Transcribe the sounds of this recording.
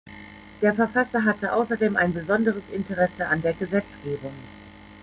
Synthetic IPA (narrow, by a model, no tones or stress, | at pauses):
d̥eːɐfɛɐfasɐɦatʰəʔa̰ʊsɐdeːmʔa̰ɪnbəzɔndəʁəsɪntəʁɛsəandeːɐɡəzɛt͡sɡ̥eːbʊŋ